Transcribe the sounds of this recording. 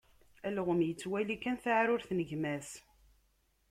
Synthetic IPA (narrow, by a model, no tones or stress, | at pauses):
ælʁəmjət͡sːwælikænθaʕɾʊɾθnəʝmæs